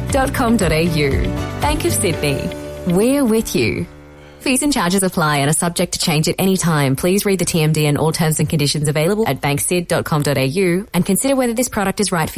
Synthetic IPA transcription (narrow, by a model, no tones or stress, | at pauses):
d̥ɑt̚kʰɑ̃mdɔɾeɪjʉ̰b̥æ̃ŋkʌv̥sɪdⁿnḭwɪɹwɪðjʉ̰ | fizɨ̃nt͡ʃʰɑɹd͡ʒɨzəpʰl̥aɪɨ̃ɾ̃ɨsʌb̚d͡ʒɛk̚tʰɨ̥t͡ʃʰẽɪ̃nd͡ʒɨɾʔɛɾ̃itʰãɪ̃mpʰl̥izɹid̪̚ðɨtʰiɛ̃mdiɨ̃nʔɔ̰lˠtʰɜ̃˞mzɨ̃nkʰɨ̃n̩dɪʃɨ̃nzɨveɪlˠəbl̩ˠɨt̚b̥æ̃ŋksɪdɔt̚kʰɑ̃mdɨɾeɪjʉɨ̃nkʰɨ̃nsɪɾə˞wɛðə˞ðɪspʰɹ̥ɑɾɨk̚tɨzɹaɪtf